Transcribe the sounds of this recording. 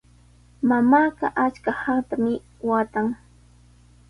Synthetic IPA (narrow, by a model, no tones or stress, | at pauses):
mamaːɢɑʔat͡ʃkahaŋt̪amɪ | wat̪aŋ